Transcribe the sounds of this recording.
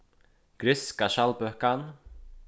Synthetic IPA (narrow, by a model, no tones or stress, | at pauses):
ɡ̥ɾʏskaʃalbœhkan